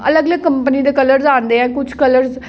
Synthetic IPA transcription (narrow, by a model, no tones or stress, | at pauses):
ə̰ləɡələɡ̚kəmpənid̪ekələɾzãːnd̪eɛ̃ːkʊt͡ʃʰkələɾz